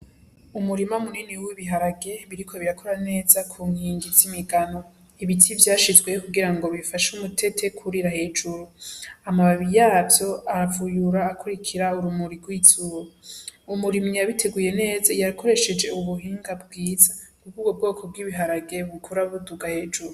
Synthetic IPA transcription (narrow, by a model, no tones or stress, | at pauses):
umuɾimamuniniwiβiɦaɾaɡe̞βiɾikʰo̞βiɾakʰoɾane̞ːzakʰuːŋhiːŋɡizimiɡano̞ | iβitʰivjaːʃizɡwe̞kuɡiɾaŋɡo̞βifaʃumutʰe̞tʰe̞kʰuɾiɾahe̞ːd͡ʒuɾuamaβaβijaːvjo̞avujuɾaːkʰuɾikʰiɾauɾumuɾiɡwiːz̥uɾoumuɾimɲijaβitʰe̞ɡuje̞ne̞ːzajakʰo̞ɾe̞ʃe̞d͡ʒe̞uβuɦiːŋɡab̚ɡwiːzakukubɡob̚ɡo̞ːkʰo̞b̚ɡiβiɦaɾaɡe̞βukʰuɾaβuduɡahe̞ːd͡ʒuɾu